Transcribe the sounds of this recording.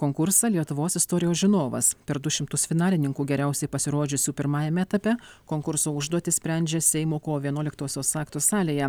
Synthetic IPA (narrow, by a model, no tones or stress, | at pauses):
koːŋkʊɾsɑlʲiɛt̪ʊʋoːsɪst̪ɔːɾʲɪjoːsʒʲɪnoːʋɐ̰spʲɛɾd̪ʊʃʲɪmt̪ʊsfʲɪnɑːlʲɪnʲɪŋkuːɡʲɛɾʲæˑʊsʲɛɪpɐsʲɪɾoːd͡ʒʲʊsʲuːpʲɪɾmɑːjɛmʲɛːt̪ɐpʲɛkoːŋkʊɾsoːʊʒd̪uɔt̪ʲɪsʲpʲɾʲɛnʲd͡ʒʲɛsʲɛɪmoːkoːʋʲiɛnuɔlʲɪkt̪oːsʲoːsɑːkt̪osɑːlʲeːjɛ